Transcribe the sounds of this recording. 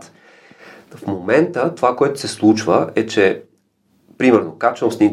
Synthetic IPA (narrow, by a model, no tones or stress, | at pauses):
t̪ | fmomɛnt̪ət̪ovakoɛt̪ʊ̥sɛslˠut͡ʃvəɛt͡ʃɛ | pɾimɛɾnokat͡ʃnofsiŋn